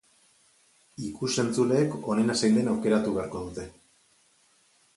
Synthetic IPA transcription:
ikuse̞nt͡sule̞ːko̞nenasajnd̪e̞nawke̞ɾat̪uβe̞aɾko̞ð̞ut̪e̞

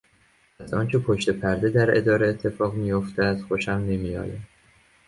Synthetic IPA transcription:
æzɒːnt͡ʃʰepʰoʃt̪e̞pʰæɾd̪e̞d̪æɾe̞̰d̪ɒːɾeːt̪ʰːe̞fɒːɣmijo̞ft̪ʰææd̪̥xoʃæmne̞mijɒ̰ːjæ

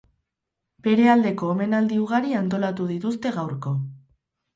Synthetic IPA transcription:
be̞ɾe̞ald̪e̞ko̞ːme̞nald̪iuɣ̞aɾiant̪̬o̞lat̪uð̞it̪ust̪e̞ɣawɾko̞

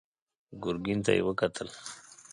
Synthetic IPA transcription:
ɡʊɾɡint̪a̰jḛwəkat̪ʰəl

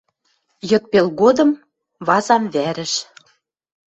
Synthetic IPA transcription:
jɤ̆t̪̚pelɣod̪ɤ̆m | βɑzɑmβæɾɘ̆ʃ

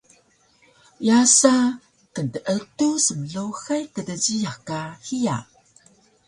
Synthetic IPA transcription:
jasa | kəntəʔətusəməɮoxajkədəd͡ʑijakahija̰

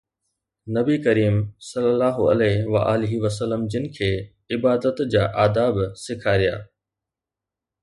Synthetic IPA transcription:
nɐbikɐɾiːmsɐlːəlːaːɦʊɐ̰lɛːʋɐ̰ʔaːlɪɦiʋɐsəlːəmd͡ʑɪnɪ̆kʰeː | ɪbaːd̪ət̪d͡ʑaːʔaːd̪aːbsɪkʰaːɾija̰ː

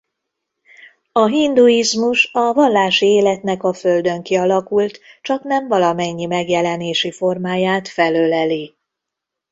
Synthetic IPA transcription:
ɒɦind̪uizmuʃɒvɒlːaːʃieːlɛt̪nɛkɒføld̪ø̞ŋkiɒlɒkult̪t͡ʃɒknɛɱvɒlɒmɛɲːimɛɡjɛlɛneːʃifo̞rmaːjaːt̪fɛløːlɛli

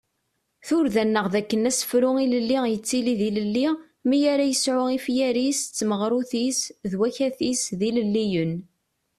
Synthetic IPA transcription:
θʊɾðænːəʁðækːənæsə̥fɾʊiləlːijət͡sːiliðiləlːi | mijaɾajəsʕʊifjæɾist͡sːməʁɾˤuθisðwæçæθisðiləlːijən

